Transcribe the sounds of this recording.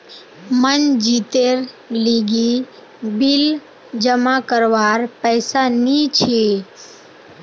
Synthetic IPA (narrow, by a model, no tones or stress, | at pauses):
mənd͡ʒit̪eɾ | liɡi | bil | d͡ʒəmakəɾʋaɾpɛjsanit͡ʃʰe